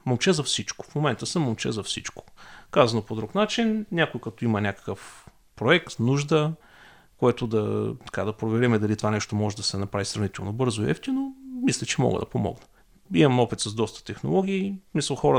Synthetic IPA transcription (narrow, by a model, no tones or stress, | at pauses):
momt͡ʃɛzɐfsit͡ʃko̥fmomɛnt̪əsəmomt͡ʃɛ̰zɐfsit͡ʃko̥kazɐnopod̪ɾuknat͡ʃinnʲakojkɐt̪oimɐnʲakə̥kəf | pɾoɛkt̪nuʒd̪ə | kojɛt̪ʊd̪ɐ̰t̪ɐ̥kad̪ɐpɾovɛɾɛmɛd̪ɐlit̪ovanɛʃt̪omɔʒɛd̪ɐsɛnɐpɾavisɾɐvnit̪ɛlˠnobɤɾzoiɛ̰ft̪ʲinomislʲɛt͡ʃɛmɔ̰ɡə̰d̪ɐ̰pomɔ̰ɡnə | imɐmɔpit̪sɐzd̪ɔst̪ə̥t̪ɛxno̰lˠɔɡ̟ʲiːsmisəlˠxɔɾə